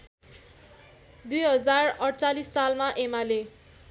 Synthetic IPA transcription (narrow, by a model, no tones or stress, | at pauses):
d̪ujɦʌd͡zarʌɽt͡salisːalmaʔemale